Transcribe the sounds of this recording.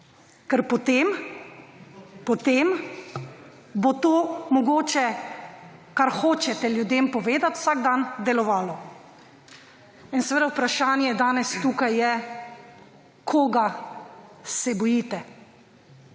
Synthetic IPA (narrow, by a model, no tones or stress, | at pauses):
kɛɾpɔt̪em | pɔt̪em | bot̪oːmɔɡoːt͡ʃɛ | kaɾxoːt͡ʃɛt̪ɛljud̪eːmpɔʋeːd̪at̪w̥saɡd̪and̪ɛlɔʋaːlɔ | insɛʋeːd̪awpɾaʃaːnjɛd̪aːnɛst̪uːkajːɛ | kʰoːɡa | sɛbɔjit̪ɛ